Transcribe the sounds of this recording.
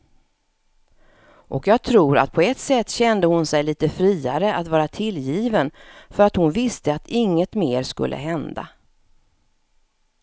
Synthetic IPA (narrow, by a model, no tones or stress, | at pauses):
ʔɔkjɑːɡ̚t̪ʰɾuːɾa̰t̪̚pʰɔɛt̪sɛt̪ːɕɛnd̪əhʊnsɛjliːt̪əfɾiːaɾəʔat̪vɑːɾat̪ʰɪljiːvənfœɾat̪hʊnvɪst̪əat̪ɪŋːət̪meːɾʂkɵ̰lːʔə̰ɦɛnd̪a̰